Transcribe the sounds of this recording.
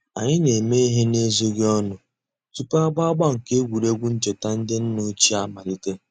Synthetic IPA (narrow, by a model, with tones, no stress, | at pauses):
a̰˨ɲɪ˦ne˨me˦i˦ɦe˦ne˦zo˦ɡe˦ɔ˦nʊ˨ | tu˦pa˦ɡ͡ba˦a˦ɡ͡ba˦ŋ̩˨ke˦ɡʷu˨ɾe˦ɡʷu˦n̩˦t͡ʃɪ˨ta˦n̩˦dɪ˦n̩˦nʊ˦t͡ʃi˦a˦ma˨lɪ˦te˦